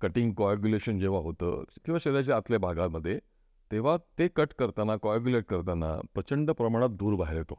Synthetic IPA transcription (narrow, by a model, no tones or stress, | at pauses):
kəʈiŋɡkɔakuleɕənd͡ʑeʋ̤aɦot̪ə̰ːkĩw̃ʋaɕəɾjat͡ɕeat̪ljabʱaɡaməd̪ʱːje | t̪eʋ̤at̪ekəʈkəɾt̪anakɔk̬juleʈ̚kəɾt̪ana̰pɾət͡ɕəɳɖəpɾəmaɽ̃at̪̚d̪uːɾbʱaɦiɾet̪o